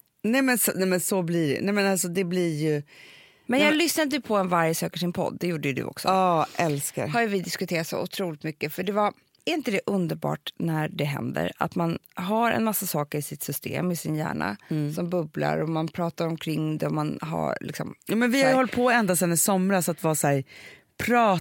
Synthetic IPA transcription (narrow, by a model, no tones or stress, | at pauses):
nɛmɛnsɔnɛmɛnsɔbliɖɛ̰nɛmɛnals̬ɔd̪ɛblijɵ | mɛnjɑːɡlʏsnad̪əjɵpʰɔɛnvaɾjəsøːkəʂɪnpʰɔ̰d̪ːɛjuːɖəjɵd̪ɵ̰ʔɔ̰ksɔɑʔɛlskka̰ɾhaɾjvɪd̪ɪskɵt̪ʰeːɾat̪so̰ʔʊt̪ʰɾuːlɪt̪mʏkːəfœɖɛvaɾ | æɾɪnt̪əd̪ɛʔɵnd̪əɾbɑ̰ːʈnæɖɛɦɛ̰nd̪ə̰ɾa̰t̪man | ɦaɾɛ̰nmasːasɑːkəɾɪsɪt̪sʏst̪ḛːmɪsɪnjæ̰ːɳa̰sɔmbɵbla̰ɾɔmanpʰɾɑːt̪aɾɔmkʰɾɪŋːd̪ɛɔmanɦa̰ɾlɪ̰ksɔ̰mjuːmɛnvɪhaɾjəhɔlt̪̚pʰɔɛnd̪asɛnːɪsɔmɾasat̪vɑːsæːɾ | pʰɾɑː